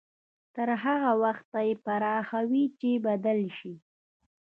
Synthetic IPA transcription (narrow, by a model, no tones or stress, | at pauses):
t̪əɾɦaɣawaxt̪ajepaɾɑxawit͡ʃebad̪alʃi